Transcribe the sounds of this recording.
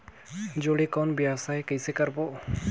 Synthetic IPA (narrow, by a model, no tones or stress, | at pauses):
d͡ʒoɽekɔnbjasajkəjsekəɾbo